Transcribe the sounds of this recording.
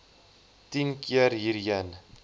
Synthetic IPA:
tinkiərɦiːɾjən

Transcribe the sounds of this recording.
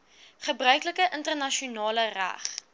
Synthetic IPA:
χəbrœɥkləkəʔəntərnɐʃiunɑːləræ̰χ

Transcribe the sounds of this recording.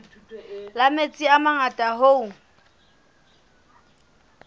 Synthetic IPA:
lamet͡sʼiamaŋatʼaɦoʊ

